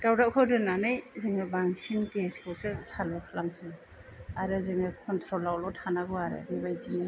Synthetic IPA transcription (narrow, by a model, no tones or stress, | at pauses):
dawdakʰɯdɯnanɯjzɯŋɯbaŋsinkeskʰɯwsɯsalɔkʰalamsɯ | aɾɯzɯŋɯkʰɔntʰɾɔlawlɔtʰanaɡɔaɾɯ̰ɾibajzinɯ